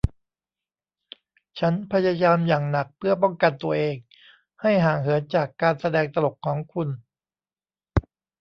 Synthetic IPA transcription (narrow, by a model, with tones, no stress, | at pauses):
t͡ɕʰa˦˥npʰa˧jaː˧jaː˧mjaː˨˩ŋna˨˩k̚pʰɯ˥˩ɐp̬ɔ˥˩ŋka˧nt̪u˧ɐʔeː˧ŋ | ha˥˩jɦaː˨˩ŋɦɯ˩˦ənt͡ɕaː˨˩kːaː˧nsa˧dɛː˧ŋt̪a˧lo˨˩k̚kʰːɔː˩˦ŋkʰu˧n